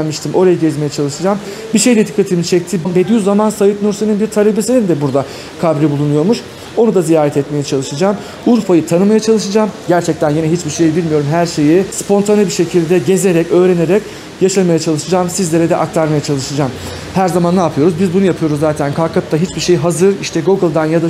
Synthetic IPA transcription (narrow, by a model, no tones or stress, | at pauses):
lʲmiʃt̪ʰimʔo̞ɾajaɟɛzmejɛt͡ʃʰalˠɯʃɯd͡ʒaːm | biʃejd̪ɛd̪ikʰːat̪ʰimiit͡ʃʰɛc̚t̪ʰibnbed̪yjyzamansajɯt̪nuɾseninbiɾt̪ʰaɾebisinind̪ɛbuɾd̪a | kʰabɾibulˠunujo̞ɾmuʃ | o̞nud̪azijaːɾɛt̪ʰɛt̪me̞jɛt͡ʃʰalˠɯʃɯd͡ʒaːm | uɾfajɯt̪ʰanɯmajat͡ʃʰalˠɯʃɯd͡ʒaːmɟæɾt͡ʃʰɛc̚t̪ʰænjinɛɦit͡ʃbiɾʃe̞jibilʲmijo̞ɾumɦæɾʃe̞jispʰo̞nt̪ʰanʲibiɾʃecʰilʲd̪ɛɟe̞ze̞ɾɛcø̞ːɾene̞ɾɛc | jaʃalˠmajat͡ʃʰalˠɯʃɯd͡ʒaːmsizlʲeɾɛd̪ɛʔakt̪ʰaɾmajat͡ʃʰalˠɯʃɯd͡ʒaːm | hæɾzamanːaːpʰɯjo̞ɾuzbizbunujapʰɯjo̞ɾuzːaːt̪ʰænkʰalkʰap̚t̪ʰːaɦit͡ʃbiɾʃejɦazɯɾiʃt̪ʰɛɡoɡɯlˠd̪anjad̪a